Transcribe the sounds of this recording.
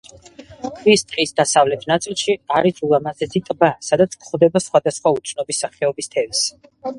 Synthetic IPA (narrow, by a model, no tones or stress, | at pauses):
kʰvist̪ʼqʼisd̪asavlɛt̪ʰnat̪sʼilˠʃiaɾizʼulˠamazɛzit̪ʼbasad̪at̪sʰkʰχɔvd̪ɛbasχwad̪asχwaut̪t͡ʃ̪ʰnɔbisːaχɛɔbist̪ʰɛvs